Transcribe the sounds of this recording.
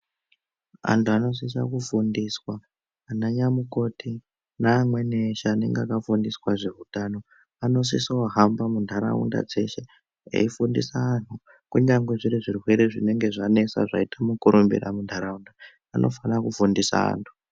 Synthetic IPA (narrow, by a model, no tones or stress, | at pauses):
a̰ntʰuano̞s̬is̬a̰kufundiswaː | naɲamuko̞tʰi | naːmwe̞neʃaːne̞̰ŋɡeakafundiswaʐe̞ɦutano̞ | ano̞s̬isawaɦambamundʱaɾa̰ṵnda̰d͡ze̞ʃe̞ | ḛifundisaːn̤u | kuɲaŋɡwe̞ʐiɾiʐirwe̞ɾeʐine̞ŋɡe̞ʐane̞sa̰ʐa̰itamukuɾumbḭra̰mundʰʱaɾaundaː | nʔo̞̰fanakufundisa̰a̰ːntʰu̥